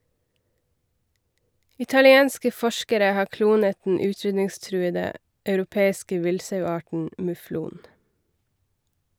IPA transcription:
ɪtɑlɪˈeːnskə ˈfɔʃkəɾə ˈhɑː ˈkluːnət dn̩ ˈʉːˌtɾʏdnɪŋˌstɾʉːədə ɑʉɾʊˈpeːɪskə ˈʋɪlsɑʉˌɑːʈɳ̩ mʉˈfluːn

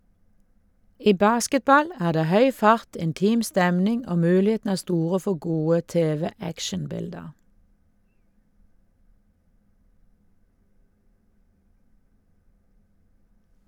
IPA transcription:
ˈiː ˈbɑːskətˌbɑl ˈæːʁ ˈdeː ˈhœʏ ˈfɑʁt ɪnˈtiːm ˈstɛmnɪŋ ˈoː ˈmʉːlɪeːtn̩ ˈæː ˈstuːʁə ˈfɔ ˈɡuːə ˈteːʋɛˌækʃənˌbɪldəʁ

